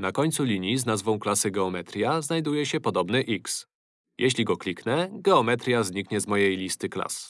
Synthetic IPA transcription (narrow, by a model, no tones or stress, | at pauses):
nakɔɲʲt̪sulʲiɲjiznazvɔ̃w̃klasɘɡɛɔmɛt̪ɾʲjaznajd̪ujɛɕɛpɔd̪ɔbnɘʔiks | jʔeɕlʲiɡɔklʲiknɛɡɛɔmɛt̪ɾʲjazɲikɲɛzmɔjejlʲist̪ɘkla̰s